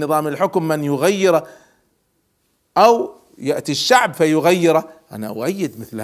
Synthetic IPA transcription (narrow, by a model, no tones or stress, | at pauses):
ɨðˤɑːmɪlħʊkmːɪnjʊɣajːɪɾa | ʔaw | jaʔt̪iʃːaʕbfajʊɣajːɪɾaʔa̰na̰wajːɪd̪mɪθl